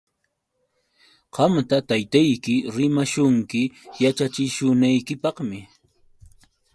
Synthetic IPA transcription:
qɑmt̪at̪ajt̪ajkɪɾɪmaʃʊŋkɪjat͡ʃat͡ʃɪʃʊnajkɪpɑqmɪ

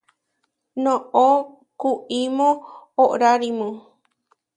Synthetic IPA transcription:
nõʔo | kuʔimõːʔɾaɾimũ

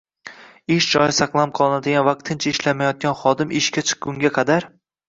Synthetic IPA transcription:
ɪʃd͡ʒɒjɪsɑqlˠamqʰɒlˠɪnad̪ɪɡʲanvɑq̚t̪ʰɪnt͡ʃʰaɪʃlamajɒt̪̚ɡʲanχɒd̪ɪmɪʃkʲat͡ʃʰɨ̥qɡʊŋɡʲaqʰɑd̪aɾ

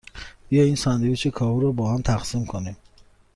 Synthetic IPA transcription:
bijɔinsand̪ijut͡ʃikʰɔɦuɾɔbɔːɦamt̪ʰaqsimkʰonim

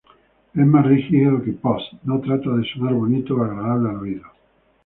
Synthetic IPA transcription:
ezmasrixiðokepost̪not̪ɾat̪aðesonaɾβonit̪oaɣɾaðaβlealrwiðo

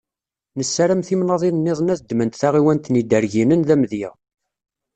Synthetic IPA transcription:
nəsːæɾæmθimnɑðˤinnːɪðˤənæθd̪ːmənt̪θaʁiwænt̪nid̪əɾʝinənðæmðjæ̰

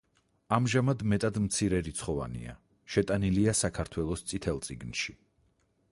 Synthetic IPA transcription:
amʒamad̪mɛt̪ʼad̪mt̪sʰiɾɛɾit̪sʰχɔva̰nḭa̰ | ʃɛt̪ʼaniliasakʰaɾt̪ʰwɛlˠɔst̪sʼit̪ʰɛlˠt̪sʼiɡnʃi

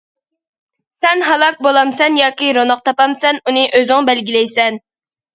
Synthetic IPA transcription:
sɛnɦɑlˠɑk̚bolˠɑmsɛnjɑːkʲiɾonɑq̚t̪ʰɑpɑmsɛnunɨʔøzɪŋbɛlɡʲilɛjsɛn

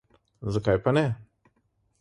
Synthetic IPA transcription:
zəkajpɐne

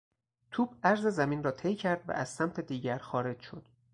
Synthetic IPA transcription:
t̪ʰuːbæɾze̞zæmiːnrɒːt̪ʰe̞jcʰæɾd̪væ̰ʔæz̥sæmt̪ʰe̞d̪iːɟæɾxɒːɾe̞d͡ʒʃo̞̰d̪̥

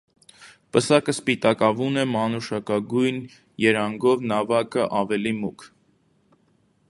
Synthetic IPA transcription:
pəsɑkəspit̪ɑkɑvunɛmɑnuʃɑkɑɡujn | jɛɾɑŋɡɔvnɑvɑkəʔɑvɛlimukʰ

